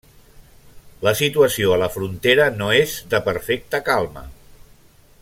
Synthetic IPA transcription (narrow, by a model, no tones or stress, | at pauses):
ləsit̪uəsioələfɾunt̪eɾənoezðəpəɾfɛk̚t̪əkalˠmə̰